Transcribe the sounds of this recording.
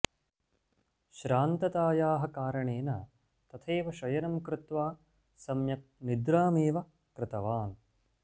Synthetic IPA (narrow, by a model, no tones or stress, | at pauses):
ʃɾaːnt̪ɐt̪aːjaːɦɐkaːɾɐɳeːnɐ | t̪ɐt̪ʰeːʋɐʃɐjɐnɐmkɾɪt̪ʋaː | sɐmjɐk̚nid̪ɾaːmeːʋɐ | kɾɪt̪ɐʋaːn